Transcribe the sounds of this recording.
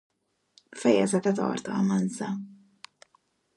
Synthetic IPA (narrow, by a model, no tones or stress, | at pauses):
fɛjɛ̰zɛt̪ɛt̪ɒ̰ːrt̪ɒːmanza